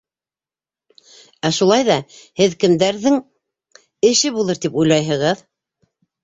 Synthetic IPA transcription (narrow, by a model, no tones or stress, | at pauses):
æʃulˠɑjðɑhɘðkɘ̆md̪æɾðɘŋ | ɘ̆ʃɘβulˠɤɾt̪ipujlˠɑjɦɤ̆ʁɤð